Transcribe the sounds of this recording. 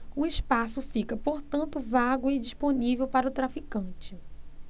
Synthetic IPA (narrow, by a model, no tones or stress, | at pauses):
ʊɪʃpasʊfikɐpoɾt̪ɐ̃nt̪ʊvaɡʊɪd͡ʒisponivewpaɾɐʊt̪ɾafikɐ̃t͡ʃɪ